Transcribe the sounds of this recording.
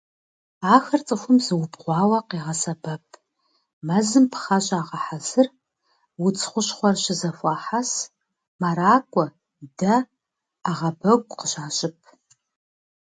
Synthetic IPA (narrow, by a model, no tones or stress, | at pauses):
aːxɐrt͡sʼɨxʷʊmzɨwʊbʁʷɑːwɐqiːʁɐsɐbɐpʰʼ | mɐzɨmpʰχɐɕʼaːʁɐħazɨr | wʊt͡sʰʼχʷʊɕχʷɔrʃɪzɐfʷɑːħas | maɾaːkʷʼɔ | dɐ | aʁɐbɐɡʷʼqəɕaːɕʼɪpʰ